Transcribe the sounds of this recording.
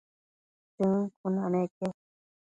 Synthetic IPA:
t̪ɨkʰunãnẽke

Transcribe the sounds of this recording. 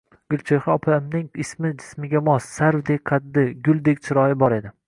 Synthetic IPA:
ɡ̥ʲɪlt͡ʃʰeχɒɒpʰamnɪŋɪsmɪd͡ʒɪ̥smɪɡʲamɒsːaɾwd̪ek̚ʲqʰɑd̪ːɪɡʲʊlˠd̪ek̚ʲt͡ʃʰɪɾɒjɪbɒɾe̞d̪ɪ

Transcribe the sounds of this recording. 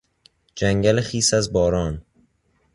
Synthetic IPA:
d͡ʒæŋɟælexiːsæzbɒːɾɒːn

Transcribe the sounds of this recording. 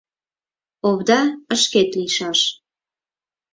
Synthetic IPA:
oβd̪ɑəʃket̪liʃɑʃ

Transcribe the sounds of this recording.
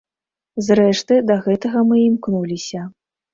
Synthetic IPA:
zrɛʂt̪ɨd̪ɐɣɛt̪ɐɣɐmɨimknulʲisʲɐ

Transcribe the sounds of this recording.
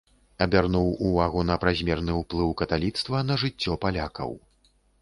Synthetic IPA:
ɐbʲarnuwuvaɣun̪ɐpɾazʲmʲɛrnɨuplˠɨwkɐt̪alʲit̪st̪vɐnɐʐɨt͡sʲːɔpalʲakɐ̰w

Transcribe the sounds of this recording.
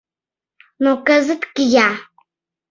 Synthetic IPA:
nokɐzɨtkɪjaː

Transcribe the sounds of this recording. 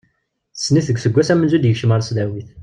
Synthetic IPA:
θə̥sːniθəɡθəɡʷːæsæmənzud̪jəkʃəməɾsðæwiθ

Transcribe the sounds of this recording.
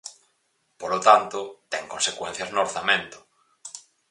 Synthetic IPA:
polot̪ant̪ʊt̪ɛŋkonsekwen̟θjaznoːɾθamẽnt̪ʊ̥

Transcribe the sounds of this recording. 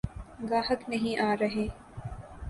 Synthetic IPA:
ɡaːɦək̪nɐɦĩʔaːɾɐɦeː

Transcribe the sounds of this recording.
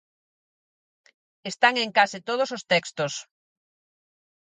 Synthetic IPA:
est̪aŋeŋkasɪt̪oð̞osost̪ɛkst̪os

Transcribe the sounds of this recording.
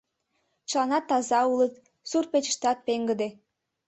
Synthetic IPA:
t͡ɕəlɑnɑt̪ːɑzɑulət̪ | surpet͡ɕə̥ʃt̪ɑt̪̚peŋɡəd̪e

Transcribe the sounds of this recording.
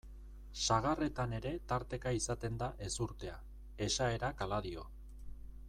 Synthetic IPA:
saɣare̞t̪ane̞ɾe̞t̪aɾt̪e̞kaisat̪e̞nd̪aʔe̞suɾt̪e̞a | e̞sae̞ɾakalaðio̞̰

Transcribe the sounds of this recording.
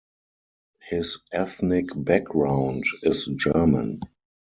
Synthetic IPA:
hɪsʔɛθnɪkbɛk̚ɡɹãʊ̃ndɪsd͡ʒɜ˞mə̰̃n

